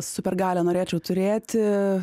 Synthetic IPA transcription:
ssʊpʲɛɾɡɑːlʲɛnoːɾʲeːt͡ʃʲɛʊt̪ʊɾʲeːt̪ʲɪ

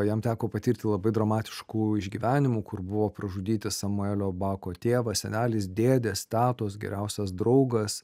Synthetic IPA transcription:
jɛmt̪ʲæːkoːpɐt̪ʲiːɾʲt̪ʲɪlˠɐbɐɪd̪ɾɐmɑːt̪ʲɪ̥ʃkuːɪʒʲɡʲiːʋʲæːnʲɪmuːkʊrbʊʋoːpɾɐʒʊd̪ʲiːt̪ʲɪsɐmʊeːlʲoːbɑːkoːt̪ʲeːʋɐsʲɛ̰nʲæːlʲɪsd̪ʲeːd̪ʲeːst̪ʲɑːt̪osɡʲɛ̰ɾʲæʊsʲɛsd̪ɾɐʊɡɐs

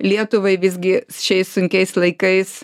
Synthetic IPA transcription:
lʲiɛt̪ʊʋɐɪʋʲɪzʲɡʲɪsʊʃʲɛɪssʊŋʲkʲɛɪslˠɐɪkɐɪs

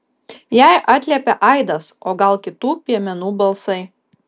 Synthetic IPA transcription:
jæɪʔɑːt̪ʲlʲɛpʲɛʔɐɪd̪ɐsoːɡɐlˠkʲɪt̪uːpʲiɛmʲɛnuːbɐlˠsɐɪ

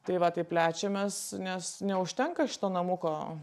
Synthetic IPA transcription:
t̪ɐɪʋɐt̪ɐɪpʲlʲæːt͡ʃʲɛmʲɛsnʲɛsnʲɛʊʃʲt̪ʲɛŋkɐʃʲɪ̥t̪oːnɐmʊkoː

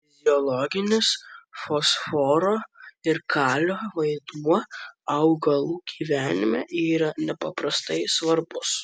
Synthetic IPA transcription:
ɪzʲɪɔlˠɔɡʲɪnʲɪsfosfoːɾoːɪɾkʰɑːlʲoːʋɐɪd̪uɔɐʊɡɐlˠuːɡ̥ʲiːʋʲæːnʲɪmʲɛ̰ʔiːɾɐnʲɛpɐpɾɐst̪ɐɪsʋɐɾbʊs

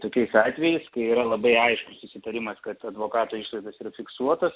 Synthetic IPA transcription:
t̪oːkʲɛɪsɑːt̪ʲʋʲɛjɛɪskɐɪiːɾɐlˠɐbɐɪɐɪʃkʊssʊsʲɪt̪ɐɾʲɪmɐskɐt̪ɐd̪ʋoːkɑːt̪oːiʃlˠɐɪd̪ɐsiːɾɐfʲɪksuɔt̪ɐs

